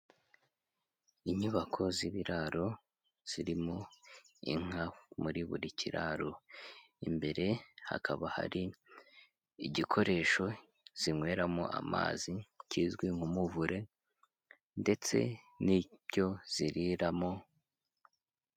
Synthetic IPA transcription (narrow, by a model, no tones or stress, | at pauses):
iɲuβakʰo̞ziβiɾaɾo̞ | z̥iɾimo̞ḭŋ̥amuɾiβṵɾicʰiɾaɾo | imbe̞ɾe̞ha̰kʰaβaha̰ɾi | iɟikʰo̞ɾe̞ʃo̞ | z̥iŋwe̞ɾamo̰ʔa̰ma̰ːzicizɡwiŋhumuvuɾe̞ | nde̞t͡se̞̰ | niβɟo̞z̥iɾiɾamo